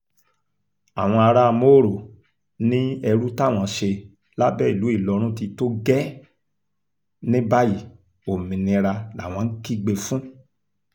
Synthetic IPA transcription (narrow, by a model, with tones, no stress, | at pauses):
a˨w̃ɔ̃˧a˧ɾa˦a˧mo˦˨ɾo˨ | nĩ˦ɛ˧ɾu˦ta˦˨w̃ɔ̃˧ʃe˧ | la˦bɛ˦˨i˨lu˨˦i˦˨lɔ˧ɾ̃ũ˦ti˧to˦ɡɛ˦ | nĩ˦ba˦ji˦˨ | o˨mĩ˨nĩ˧ɾa˧na̰˨w̃ɔ̃˧n̩˦ki˦ɡ͡be˧fũ˦